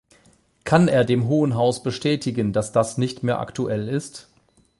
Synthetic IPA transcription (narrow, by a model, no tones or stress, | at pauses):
kʰaneːɐdeːmɦoːənɦaʊsb̥əʃtʰɛːtɪɡəndasd̥asnɪçtmeːɐʔa̰ktuʔɛlɪst